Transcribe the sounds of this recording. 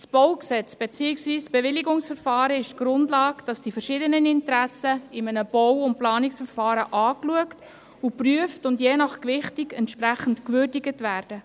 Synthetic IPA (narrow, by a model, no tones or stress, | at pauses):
sb̥ɔwksɛt͡sb̥et͡siːɪksviːsb̥ɛʋɪliɡʊŋsfəɾfɑːɾəɪʃtɡ̥ɾʊndlɑːkd̥ɑsd̥ifəɾʃɪːdənənɪntɾæsəɪmənəb̥ɔwʊntplɑːnɪksfəɾfɑːɾəʔɑːkluəkt | upryəftʊndjeːnɑχkʋɪχtiɡɛntʃpræχən̩tkʋʏrdɪɡətʋæːɾd̥ə